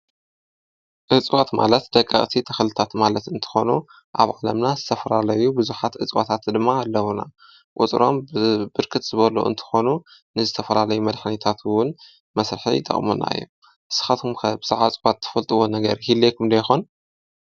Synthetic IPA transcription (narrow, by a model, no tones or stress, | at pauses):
ʔɨt͡sʼwat̪ma̰lɐt̪d̪ɐkʼːɐ̰χʼt̪ʰit̪ʰɐxlɨt̪ʰat̪malɐt̪ɨnt̪ʰɨ̥xo̞nu | ʔaβʕalɐmnazɨt̪ʰɐfɐlalɐjubɨzuħat̪ʕʔɨt͡sʼwot̪ʰat̪d̪ɨmːaːlːɐwuna̰ | ʔʼʊt͡sʼɾo̞mbɨɾkʰɨt̪z̥ɨβɐlo̰ʔɨ̰nt̪ʰɨ̥xo̞nunɨzɨt̪ʰɐfɐlalɐjumɐd̪ħnit̪ʰat̪ʰwʊn | mɐsɾɨħḭjɪt̪ʼːɐ̰χʼmṵna̰ɨ̰jːṵ | ʔɨsɨ̥xat̪ʰumkʰɐbɨzaʕat͡sʼwat̪ʰːɐ̥fɐlt̪ʼɨwonɐɡɐɾihilːekʰumd̪ɐjxon